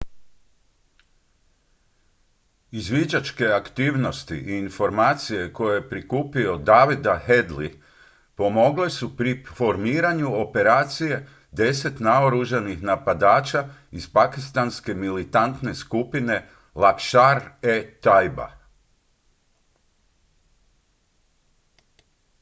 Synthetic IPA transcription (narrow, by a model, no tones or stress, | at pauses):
izʋid͡ʑat͡ʃke̞akt̪iːʋno̞st̪ḭʔiːnfo̞ɾmaːt̪sije̞ko̞jejepɾikuːpio̞d̪aʋid̪ahe̞d̪lḭ | po̞mo̞ɡle̞supɾifo̞ɾmiːɾaɲuo̞pe̞ɾaːt̪sije̞ | d̪e̞se̞t̪naoɾuʒanixnapad̪aːt͡ʃaizpakist̪anske̞milit̪ant̪ne̞skupine̞ | lakʃaɾet̪ajba̰